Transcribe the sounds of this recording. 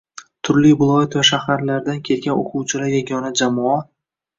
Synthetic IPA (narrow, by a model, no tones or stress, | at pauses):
t̪ʰʊɾlɪjbʊlˠɒjat̪vaʃahaɾlaɾd̪ankʲʰe̞lɡʲano̰qʰʊwt͡ʃʰɪlaɾjaɡʲɒnad͡ʒamɒa